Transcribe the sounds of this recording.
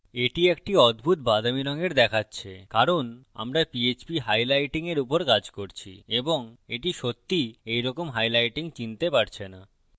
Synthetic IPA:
eʈiek̚ʈiɔd̪bʱut̪bad̪ʱamiɾɔŋeɾd̪ɛkʰatːɕʰekaɾona̰mɾapiet͡ɕbiɦajlajʈiŋeɾupoɾkad͡ʑkoɾt͡ɕʰḭeboŋeʈiʃot̪ːiejɾɔkomɦajlajʈiŋt͡ɕint̪epaɾt͡ɕʰena

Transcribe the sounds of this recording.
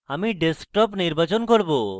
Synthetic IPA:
amiɖesk̚ʈɔpniɾbat͡ɕɔnkɔɾbo

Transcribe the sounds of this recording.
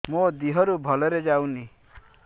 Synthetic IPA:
mod̪iɦɔɾubʱɔlɔɾed͡ʒawni

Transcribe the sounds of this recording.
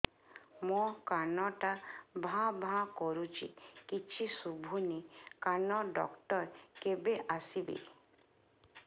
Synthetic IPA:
mɔkanɔʈabʱãbʱãkɔɾut͡ʃʰḭkit͡ʃʰisubʱunikanɔɖɔkʈɔɾkebeʔasibḛ

